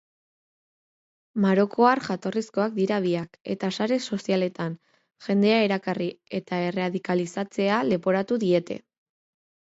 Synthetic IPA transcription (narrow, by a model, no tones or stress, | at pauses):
maɾo̞kʰo̞aɾʝat̪o̞risko̞ak̚d̪iɾaβiake̞̰t̪asaɾe̞so̞siale̞t̪an | ʝe̞nd̪e̞aeɾakarie̞t̪ae̞reaðikalisat͡se̞ale̞po̞ɾat̪uðie̞t̪e̞̰